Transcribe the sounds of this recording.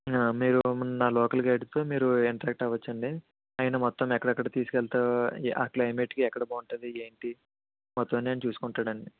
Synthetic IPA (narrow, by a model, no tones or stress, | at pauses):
aːmiːɾunaːlɔːkɐlɡɐjɽst̪o̞ːmiːɾuiɳʈɾaːk̚ʈɐːʋɐt͡ʃːɐɳɖi | ɐːjnɐmɔt̪ːɐmɛkːɐɽɛkːɐɽɐt̪iːsu̥kɛlt̪aːʔa̰ːklɐjme̞ːʈkiɛkːɐɽɐboːuɳʈɐd̪ieːɳʈi | mɔt̪ːɐneɐnit͡ʃuːsu̥kuɳʈːaːɽɐɳɖi